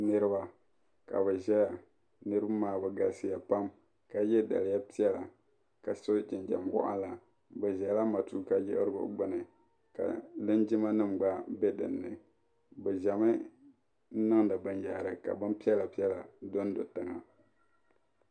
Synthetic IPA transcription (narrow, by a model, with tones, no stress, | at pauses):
nɨ˦ɾɨ˦ba˦ | ka̰˨βɛ˨ʒɛ˦ja˨ | nɨ˦ɾɨ˦bmaː˦bɛ˨ɡa˨sɨ˦ja˨pa˦m | ka˨jɛ˦da̰˨lɪ˨ja˦pi˦ɛ˦la˨ | ka˨so˦d͡ʒɪ˨nd͡ʒa̰˨mwɔ̰˦ʔa̰˦la˨ | bɛ˨ʒɛ˨˦la˦ma˨tuː˦ka˦jɪ̰˦ʔɾɡʊ̰˨˦ɡ͡bɨ˦nɨ˨ | ka̰˨lɨ˦nd͡ʒɪ˦ma˦nɨ˦m˨ɡ͡ba˦bɛ˦dɨ̰˨nːɨ˨ | bɛ˨ʒa˨mɨ˦ | nɨ˦ŋda˨bɨ˦nja˨ɾɨ˨ka̰˨bɨ˦m˦pi˦ɛ˦la˨pi˦ɛ˦la˨do˦n˦do̰˨tɨ˦ŋa˨